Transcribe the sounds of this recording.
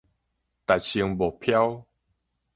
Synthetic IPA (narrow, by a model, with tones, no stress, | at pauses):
t̪a˨jɕi˧ŋbo˨˩pʰja˦w